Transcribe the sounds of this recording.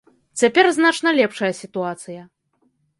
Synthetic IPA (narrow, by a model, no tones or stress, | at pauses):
t͡sʲapʲɛrznat͡ʂnɐlʲɛpʂɐjɐsʲit̪uat̪sɨjɐ